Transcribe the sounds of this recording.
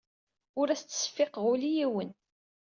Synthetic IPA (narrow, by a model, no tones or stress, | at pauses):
ʊɾæst͡sːə̥sə̥fːɪqʁʊlijiwən